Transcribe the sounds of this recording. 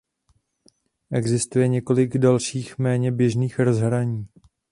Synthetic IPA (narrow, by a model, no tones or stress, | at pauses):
ʔɛɡzɪst̪ujɛɲɛko̞lɪɡdalʃiːxmɛːɲɛbjɛʒniːxɾozɦɾaɲiː